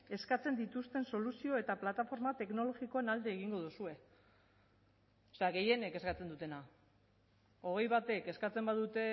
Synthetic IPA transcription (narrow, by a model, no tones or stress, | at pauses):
e̞skat͡se̞nd̪it̪ust̪e̞nso̞lusio̞e̞t̪aplat̪afo̞ɾmat̪e̞kno̞lo̞ɣiko̞enald̪eːɣiŋɡo̞ð̞usue̞ | ose̞aɣe̞je̞ne̞ke̞skat͡se̞nd̪ut̪e̞na | o̞ɣ̞e̞jβat̪e̞ke̞skat͡se̞mbaðut̪e̞